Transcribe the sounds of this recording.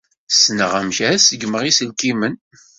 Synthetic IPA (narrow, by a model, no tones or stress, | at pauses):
snəʁæmçæsəɡməʁisəlkimən